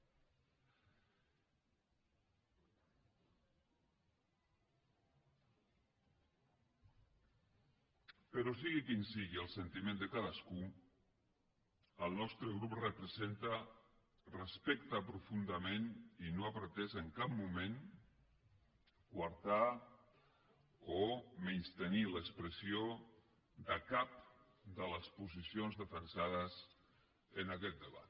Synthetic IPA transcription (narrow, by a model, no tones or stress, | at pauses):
pəɾɔsiɣikinsiɣiəlˠsənt̪imẽnd̪əkaðasku | əlˠnɔst̪ɾəɣ̞ɾuprəpɾəzent̪a | rəspɛkt̪apɾufund̪əmeninoapɾt̪ɛzəŋkap̚mumen | ɡwaɾt̪a | omenst̪əniləkspɾəsio | d̪əkap̚ | d̪ələspuzisionzðəfənsað̞əz | ənakɛt̪̚d̪əβa̰t̪